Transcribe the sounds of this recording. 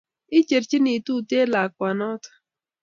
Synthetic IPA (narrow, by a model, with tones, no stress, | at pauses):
i˦t͡ʃe˨ɾt͡ʃi˦ni˨tu˦˨te˦la˨kwa˨nɔ˦tḁ˨